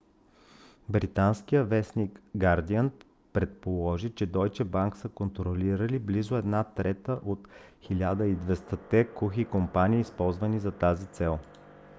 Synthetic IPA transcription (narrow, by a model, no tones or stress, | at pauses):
bɾit̪anskijəvɛsnikɡaɾd̪iənt̪ | pɾɛt̪polˠɔʒit͡ʃɛd̪ɔjt͡ʃɛbaŋksəkont̪ɾoliɾəliblizʊɛd̪nat̪ɾɛt̪əʔot̪xilʲad̪əid̪vɛst̪ət̪ɛkuxikompaniːspɔlˠzvənizɐt̪azit̪sɛlˠ